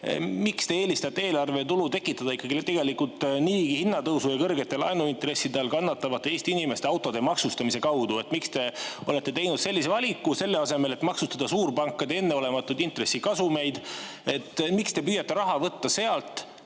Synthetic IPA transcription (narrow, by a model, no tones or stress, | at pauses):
mikst̪e̞eːlist̪ɑt̪ːeeːlɑrvet̪ulut̪e̞kːˑit̪ːˑɑd̪ɑikːɑɡ̥ilt̪e̞ɡe̞likult̪ˑniːɡihinːɑt̪ɤwsujɑkɤrɡet̪ːˑe̞lɑ̰jnuint̪ɾe̞sːid̪eɑlkɑnːɑt̪ːˑɑvɑt̪ːˑeeːst̪iinime̞st̪eɑwt̪ːˑo̞d̪emɑksust̪ɑmise̞kɑwd̪̥ue̞t̪mikst̪e̞o̞le̞t̪ːe̞t̪e̞jnud̪̥se̞lʲːis̬e̞vɑlʲikːˑuse̞lːe̞ɑse̞me̞le̞t̪mɑksust̪ɑd̪̥ɑsuːrpɑŋkːˑɑd̪ee̞nːeo̞le̞mɑt̪ːˑud̪int̪re̞sːikɑsume̞jd̪̥ | e̞t̪ːˑmikst̪e̞pyːjɑt̪ːˑe̞ɾɑɦɑvɤt̪ːɑse̞ɑlt̪ˑ